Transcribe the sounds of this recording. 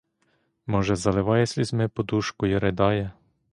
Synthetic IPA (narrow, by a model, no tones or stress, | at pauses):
mɔʒɛzalɛʋajɛsʲlizmɛpɔd̪uʃkujɛɾɛd̪ajɛ